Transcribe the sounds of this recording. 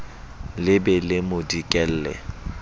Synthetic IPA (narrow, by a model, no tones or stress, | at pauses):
lɪbɛlɪmʊdikʼɛl̩ːlɛ̰